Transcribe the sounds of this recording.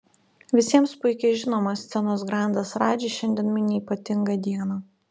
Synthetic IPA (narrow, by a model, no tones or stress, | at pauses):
ʋʲɪsʲiɛmspʊɪkʲɛɪʒʲɪnoːmɐsʲt̪sʲɛnoːsɡɾɑˑnd̪ɐsɾɑːd͡ʒʲiːʃʲɛnʲd̪ʲiɛnmʲɪnʲiiːpɐt̪ʲɪŋɡɐd̪ʲiɛnɐ